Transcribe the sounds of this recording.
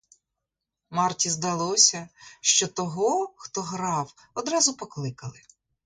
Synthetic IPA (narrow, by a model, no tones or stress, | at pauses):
mɑrtʲizd̪ɐlˠɔsʲɐʃt͡ʃɔt̪ɔɦɔxt̪ɔɦɾɑw | ɔd̪ɾɑzʊpɔklˠɪkɐlˠɪ